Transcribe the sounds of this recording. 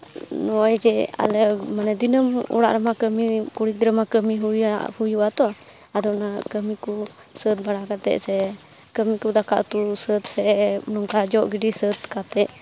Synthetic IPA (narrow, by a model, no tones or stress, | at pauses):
nɔajd͡ʒɛa̰lɛmanɛd̪inəmɔ̰ɽa̰ʔɾɛmakəmikuɽik̚d̪iɾəmakəmiɦujahujuat̪ɔ | ad̪ɔnakəmikɔ | sət̪̚baɽakat̪ɛ̰ʔsɛ | kəmikud̪aka̰ʔt̪usət̪sɛnɔŋkad͡ʒɔʔɡiɖisət̪kat̪ɛʔ